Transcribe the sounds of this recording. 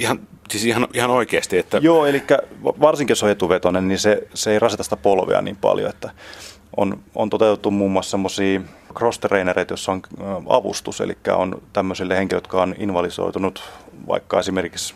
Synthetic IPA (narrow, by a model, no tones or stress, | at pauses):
ihɑn | siːsihɑnihɑnoikeːst̪iet̪ːæjoːelikːæʋɑrsiŋkijosoet̪uʋet̪onenniseseeirɑsit̪ɑsi̥t̪æpolʋḛɑ̰nḭːmpɑ̰ljo̰et̪ːæ | ʔo̰no̰nt̪ot̪eut̪et̪ːummuːmːuɑssemːosiːkrost̪reinereit̪josːoŋɑ̰ʋṵst̪usḛlḭkːæ̰o̰nt̪æmːøsilːeheŋkiløjot̪kɑoninʋɑliso̰it̪unut̪ʋɑ̰ikːɑesimerkiks